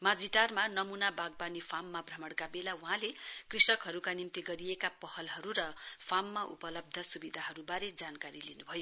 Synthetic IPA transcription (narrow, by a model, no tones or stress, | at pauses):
mad͡ziʈarmanʌmunabaɡ̚banipʰamːabrʌmʌɽkabelauɦãlekrisʌkɦʌɾukanimt̪iɡʌɾijekapʌhʌlɦʌɾuɾʌpʰamːaʔṵpʌlʌb̚d̪ʱʌsubid̪ʱaɦʌɾubaɾed͡zankaɾilinubʱʌjo